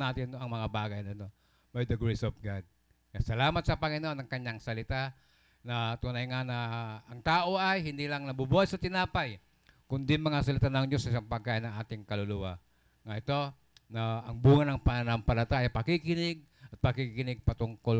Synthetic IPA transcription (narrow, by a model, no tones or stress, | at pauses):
nat̪int̪oaŋmaŋabaɡajnat̪o | bajd̪əɡɾesɔfɡad̚ | ŋasalamat̪̚sapaŋinonaŋkaɲaŋsalit̪a | nat̪unajŋanaːŋt̪auajɦind̪ilaŋnabubuasat̪inapaj | kundimaŋasalit̪anaŋd͡ʒusasampaɡajnaat̪iŋkalulua | ŋait̪o | naːŋbuŋanaŋpaanaŋpaɾat̪ajapakikinɪɡ̚ | t̪̚pakikinɪɡ̚pat̪uŋkɔ